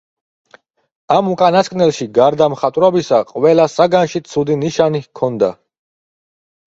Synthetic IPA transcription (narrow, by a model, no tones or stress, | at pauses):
amukʼanaskʼnɛlˠʃiɡaɾd̪amχat̪ʼɾɔbisaqʼwɛlasaɡanʃit̪sʰud̪iniʃanikʰɔnd̪a